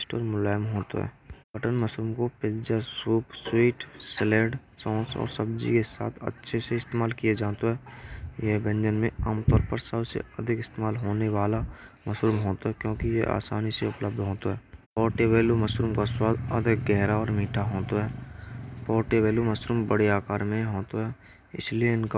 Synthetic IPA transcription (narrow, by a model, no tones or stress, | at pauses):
sʈɔ̰ːɾmʊlaːjəmɦoːt̪o̰ɦɛ̰ːbəʈənməsɾuːmkoped͡ʒd͡ʒasuːpswiːʈsleːɖsɔ̃ːsɔ̰ːɾsəbd͡ʒḭkesa̰ːt̪ʰə̰tːʃʰeseɪst̪eːmaːlkijed͡ʒaːt̪oɦɛːjebə̃nd͡ʒənmẽaːmt̪ɔːɾpəɾsəbsḛəd̪ʱɪkɪst̪eːmaːlɦoːneʋaːlaməsɾuːmɦoːt̪aɦɛkjõːkijeʔa̰ːsa̰ːniseʊpləbd̪ʱɦoːt̪aɦɛːpɔːɾʈeʋeːluməsɾuːmkaswaːd̪ə̰d̪ʱɪk̚ɡɛɦɾaɔːɾmiːʈʰaɦoːt̪aɦɛːpɔːɾʈeʋeːluməsɾuːmbəɽeaːkaːɾmẽɦoːt̪aɦɛː | ɪ̰slieɪnka